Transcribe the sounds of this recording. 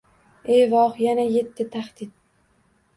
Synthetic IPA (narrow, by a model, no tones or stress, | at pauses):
ejvɒχjanaje̞t̪ʰːɪt̪ʰahd̪̥ɪd̪̚